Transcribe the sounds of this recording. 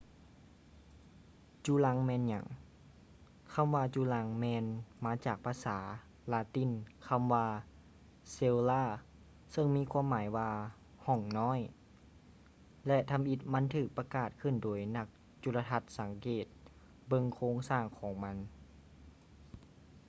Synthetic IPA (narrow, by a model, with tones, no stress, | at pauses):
t͡ɕuː˧la˧˥ŋmɛː˧˥˨nɲa˨˩˦ŋ | kʰa˧˥˨mʋaː˧t͡ɕuː˧˩la˧˥ŋmɛː˧nmaː˧˥t͡ɕaː˨˩k̚pʰaː˧saː˩˦ | laː˧˥t̪i˧˥˨nkʰa˧˥˨mwaː˧ | se˧wlaː˧˥˩ | sɤ˧ŋmiː˧˥˨kʰuː˧˥ə˨mːaː˩˦jwaː˧ | hɔ˧˩ŋnɔː˧˥˨j | lɛ˧ʔt̪ʰa˧mʔi˧˦t̪̚ma˧˥˨nt̪ʰɯː˨˩k̚pa˧kaː˨˩t̪̚kʰɯ˧˩ndoː˩˦jna˧˩k̚ | t͡ɕu˧˩la˧t̪ʰa˧t̪̚sa˨˩˦ŋkeː˨˩t̪̚ | bɤ˧˨ŋkʰoː˧˥ŋsaː˧˩ŋkʰɔː˨˦ŋma˧˥n